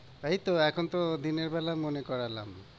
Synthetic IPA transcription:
ejt̪oɛkʰont̪od̪ineɾbɛlamonekɔɾala̰m

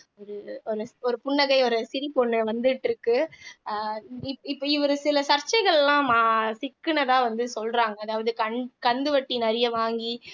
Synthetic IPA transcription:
ɔɾɯɔɾɯɔɾɯpʊɳːɐɣɐɪɔɾɯsɪɾipɔɳːɯʋɐnd̪ɯʈːɪɾɯkːɯ | ɪpːɪpːɐɪʋɐɾɯsɪlɐsɐɾt͡ʃːɐɪɣɐɭɛlːãːmaːsɪkːɯnɐðaːʋɐnd̪ɯsɔlraːŋɡɐːðaːʋɐðɯkɐnkɐnd̪ɯʋɐʈːinɐɾɪjɐʋaːŋɡi

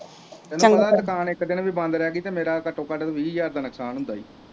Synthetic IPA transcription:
t̪ɛːnũːʋəd̪aːt̪əkaːneːkəd̪eːnəʋiːbə̃nd̪ɾɛːɡiːt̪eːmeːɾaːkəʈːõːkəɖt̪ːʋiːjaːɾd̪aːnəksaːnɦʊ̃nd̪aːḭː

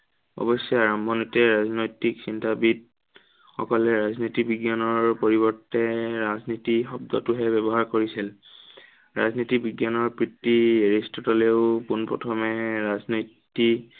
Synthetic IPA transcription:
ɔ̰bɔsːɔaɹɔmbʱɔnitɛɹaznojtiksintabid | xɔ̰kɔlɛɹaznitikbʱiɡjanɔɹpoɹibɔɹtɛɹaznitixɔbdɔtuɦɛbɛbɔɦaɹkoɹisil | ɹa̰znitibiɡjanɔɹpɹitːieɹistɔtɔleʊpunpɹɔ̰tʰɔmɛɹaznojtːi

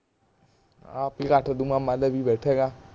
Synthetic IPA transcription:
a̰pikaːʈʰəd̪umãmaləbʱibɛːʈʰɛɡa

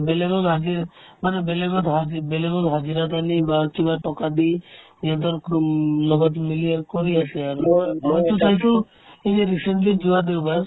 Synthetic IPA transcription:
belebɔlɦad͡ʒiɾmanebelebɔt̪ɦabelebɔlɦad͡ʒiɾat̪anibakibaʈɔkad̪i | iɔd̪ɔɾklɔɡɔt̪miliaɾkɔɾiasiaɾɦɔjt̪usajt̪u | id͡ʒeɾiseɳʈlid͡ʒuwad̪ewbaɾ

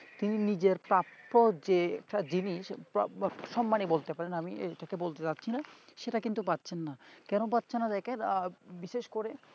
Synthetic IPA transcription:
t̪ininid͡ʑeɾpɾapːod͡ʑeɛk̚ʈad͡ʑiniʃpʃɔmːanebolt̪epaɾenamiḛʈakebolt̪et͡ɕatːɕʰinaʃeʈakint̪upat̪ːɕʰenːakɛnop̬atːɕʰenːad̪ɛkeɾbiʃeʃkoɾe

